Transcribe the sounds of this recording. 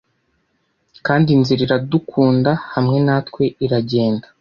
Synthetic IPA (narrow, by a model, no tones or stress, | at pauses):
kaːndinziɾiɾadukʰuːndahamŋe̞naːtwe̞iɾaɟe̞ːndḁ